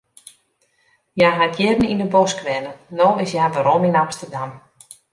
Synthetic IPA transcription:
jaɦakjɪdən̩inəbɔskʋɛnənoːɪsjavəɾominamstərdam

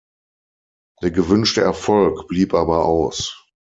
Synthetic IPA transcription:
d̥eːɐɡəvʏnʃtəɛɐfɔlkb̥liːpʔaːbɐʔaʊs

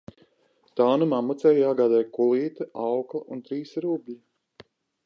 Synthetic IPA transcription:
t̪aːnumaːmut̪sɛːjjaːɡaːd̪ɛːjkulˠiːt̪ɨʔawklˠɐʔunt̪ɾiːsɾublʲi

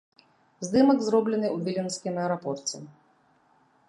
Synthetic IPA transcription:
zd̪ɪmɐɡzɾɔblenɪjubʲilʲinsʲkʲɪmɛɾɔpɔrt͡sʲḭ

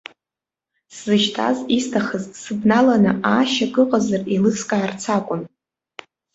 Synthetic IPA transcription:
szɨʃtʰa̰zistʰaχəzsɨbnalanɨaʃaɡɨqʼazarilɨskʼaːrt͡sʰakʷʼʊn

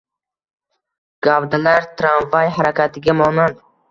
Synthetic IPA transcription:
ɡ̥avd̪alaɾt̪ʰɾanvajhaɾakʰʲat̪ʰɪɡʲamɒnand̪ɪ

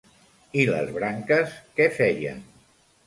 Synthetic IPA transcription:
ilə̰zβɾaŋkəskɛfɛjə̰n

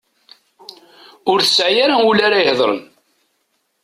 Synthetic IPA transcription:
ʊɾθəsʕjaɾaulaɾajəhðˤɾˤə̰n

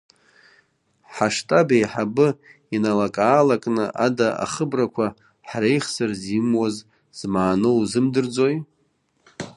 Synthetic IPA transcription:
ħaʂtʼabejħabɨ | inalakʼaːlakʼnɨʔadaʔa̰χəbrakʷʰa | ħrejχsɨrzimwaz | z̥maːnowzɨmdɨrd͡zoj

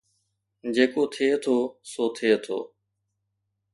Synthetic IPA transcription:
d͡ʒeːkoːt̪ʰeet̪ʰoːsoːt̪ʰeet̪ʰo̰ː

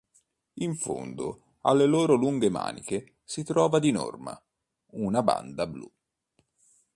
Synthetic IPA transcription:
iɱfo̰nd̪o | a̰lːeloːɾoluŋɡema̰ːnḭke | sit̪ɾɔːvad̪inɔ̰rma̰ | unaba̰nd̪ablu

